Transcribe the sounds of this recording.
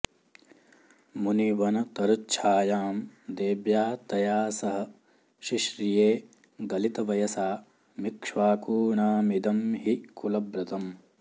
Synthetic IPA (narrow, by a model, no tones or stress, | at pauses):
muniʋɐnɐt̪ɐɾutːt͡ʃʰaːjaːmd̪eːbjaːt̪ɐjaːsɐɦɐ̆ | ʃiʃɾijeː | ɡɐlit̪ɐʋɐjɐsaː | mikʂʋaːkuːɳaːmid̪ɐmɦikulɐbɾɐt̪ɐm